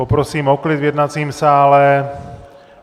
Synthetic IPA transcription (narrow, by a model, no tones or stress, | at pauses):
opɾosiːmoklid̪vjɛd̪nat͡siːmsaːlɛ